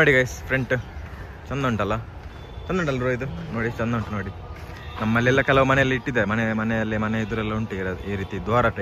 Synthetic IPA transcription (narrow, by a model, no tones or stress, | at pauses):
noːɽiɡɐjspɾeɳʈ | t͡ʃɐnd̪ɐːɳʈɐlːɐ | t͡ʃɐnd̪uɳʈɐlːɐɾoːjd̪unoːɽit͡ʃɐnd̪ɐɳʈnoːɽi | nɐmːɐlːiɛlːɐkɛlɐʋumɐnɛjɐlːiiʈːid̪emɐnemɐnɛjɐlːimɐneid̪uɾɛlːɐuɳʈuiɾɐd̪iːɾiːt̪id̪ʋaːɾɐʈɐ